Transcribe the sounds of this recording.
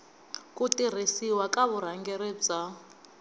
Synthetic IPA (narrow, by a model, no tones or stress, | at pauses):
kutiɾ̤isiwakaβuɾ̤aŋɡɛɾɛb͡ʐa